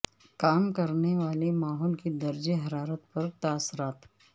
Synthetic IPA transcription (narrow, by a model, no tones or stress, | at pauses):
kaːmkɐɾneʋaːlemaːɦɔːlkid̪ɐɾd͡ʒeɦɐɾaːɾət̪pɐɾt̪aːsːʊɾaːt̪